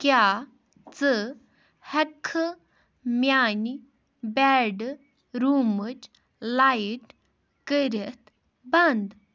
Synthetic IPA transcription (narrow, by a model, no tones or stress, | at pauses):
kja | t͡sə | hɛkʰːə | mjani | bɛɖ | ɾumət͡ʃ | lajiʈ | kəɾet̪ | bɐnd̪